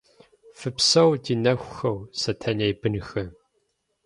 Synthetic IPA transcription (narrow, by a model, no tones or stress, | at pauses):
fɨpsɐwdinɐxʷxɐwsɐtʰɐnejbɨnxɨ